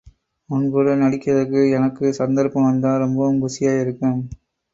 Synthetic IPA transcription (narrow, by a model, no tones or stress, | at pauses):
ʊnbɯɽɐnɐɽɪkːɐðɐɾkːɯɛnɐkːɯsɐnd̪ɐɾpɐmʋɐnd̪aːɾɔmbɐʊmɡʊsɪjaːɪɾɯkːɯm